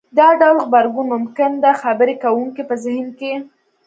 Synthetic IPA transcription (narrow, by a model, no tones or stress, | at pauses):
d̪ɑɖawlɣbaɾɡunmʊmkɪnd̪əxabəɾekawuŋkipəzɪhnke